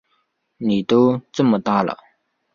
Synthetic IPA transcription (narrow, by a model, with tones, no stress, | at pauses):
niː˩˨t̪o˥˨t͡sə˥mə˩˨t̪a˥˨la̰˨